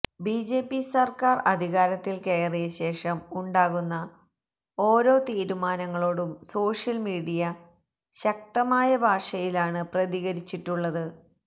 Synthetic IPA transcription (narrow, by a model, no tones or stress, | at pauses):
bid͡ʑe̞ːpːisɐrkaːrɐd̪ʱiɣaːɾɐt̪ːilkeːrijɐɕe̞ːʂɐmuɳɖaːɣunːɐ | o̞ːɾo̞ːt̪iːɾumaːnɐŋːɐɭo̞ːɽumso̞ːʂjɐlmiːɽijɐ | ɕɐk̚t̪ɐmaːjɐbʱaːʂɐjilaːɳɨprɐðiɣɐɾit͡ɕːiʈːuɭːɐðɨ